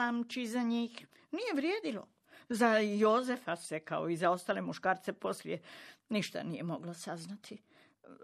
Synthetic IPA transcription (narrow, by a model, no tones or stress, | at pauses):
amt͡ʃizaɲiːx | nije̞ʋɾje̞ːd̪ilo̞̰ | zajozefasekaoizao̞st̪aːlemuʃkaːɾt̪se̞po̞sljeniʃt̪a̰nije̞mo̞ɡlasaznat̪ʰi